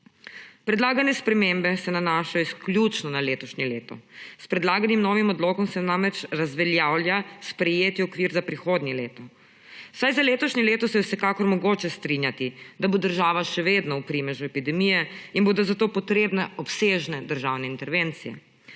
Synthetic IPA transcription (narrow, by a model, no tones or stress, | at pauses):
pɾɛd̪laːɡanɛspɾɛmembɛsɛnanaːʃajɔisklʲjut͡ʃnɔnaleːt̪ɔʃɲileːt̪ɔ̰spɾɛd̪laːɡanimnɔːʋimɔd̪loːkɔmsɛnamɾɛt͡ʃɾazʋɛljaːwlʲjaspɾɛjeːt̪iɔkʋiːɾzapɾixoːd̪nʲileːt̪ɔ | wsajzaleːt̪ɔʃɲileːt̪ɔsɛɛwsɛkakɔɾmɔɡoːt͡ʃɛst̪ɾinjat̪id̪abod̪əɾʒaːʋaʃɛʋeːd̪nɔwpɾimɛʒuɛpid̪ɛmijɛinboːd̪ozat̪oːpɔt̪ɾeːbnɛɔpseːʒnɛd̪əɾʒaːwnɛint̪ɛɾʋent̪sijɛ̰